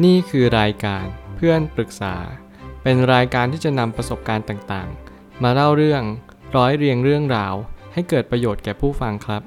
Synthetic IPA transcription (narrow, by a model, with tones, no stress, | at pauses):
niː˥˩kʰɯː˧ɾaː˧jkaː˧npʰɯ˥˩ənpɾɯ˨˩k̚sa̰ː˩˦ | pe˧nɾaː˧jkaː˧nt̪ʰiː˥˩t͡ɕa˨˩na˧mpɾa˧so˨˩p̚kaː˧nt̪aː˨˩ŋt̪a̰ː˨˩ŋ | maː˧ɾa˥˩wɾɯ˥˩əŋ | ɾɔː˦˥jɾi˧əŋɾɯ˥˩əŋɾaː˧wha˥˩jkɤː˨˩t̪̚pɾa˧joː˨˩t̪̚kɛː˨˩pʰuː˥˩fa˧ŋkʰɾa˦˥p̚